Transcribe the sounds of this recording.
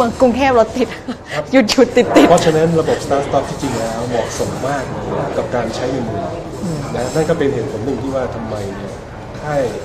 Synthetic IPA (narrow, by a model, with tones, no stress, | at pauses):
ə˧˩ŋku˧ŋkʰɛː˥˩plo˦˥t̪ːi˨˩t̪̚ | ju˨˩t̪̚t͡ɕʰu˨˩t̪ːi˨˩t̪ːi˨t̪pʰɔ˦˥t͡ɕʰa˧na˦˥nɾa˧bo˨˩p̚st̪aː˦˥st̪ɔ˦˥˩p̚t̪iː˥˩t͡ɕi˧ŋlɛː˦˥wmɔː˨˩k̚so˩˦mːaː˥˩k̚n˨˩ka˨˩p̚kaː˧nt͡ɕʰa˦˥jŋɯ˧nmɯ˨˩˧ | na˦˥na˥˩nkɔː˥˩pe˧nheː˨˩t̪̚pʰo˩˦nːɯ˨˩ŋt̪ʰiː˥˩waː˥˩t̪ʰa˧mːa˧jni˦˥˩ɐ | t̪ʰaː˥˩j